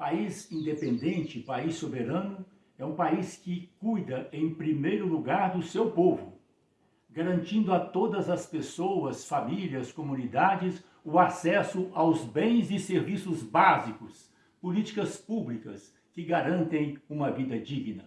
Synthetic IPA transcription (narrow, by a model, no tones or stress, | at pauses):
paizĩnd̪epẽnd̪ẽnt͡ʃɪpaisːobeɾɐ̃nʊ | ɛũpaiskɪkujd̪ɐẽj̃pɾimejɾʊluɡaɾd̪ʊsewpovʊ | ɡaɾɐ̃nt͡ʃĩnd̪ʊat̪od̪ɐzɐspesowɐsfamiliɐskomũnid̪ad͡ʒɪs | ʊasɛsʊʔawzbẽj̃zɪseɾvisʊzbazikʊs | polit͡ʃi̥kɐspublikɐs | kɪɡaɾɐ̃nt̪ẽj̃ũmɐvid̪ɐd͡ʒiɡnɐ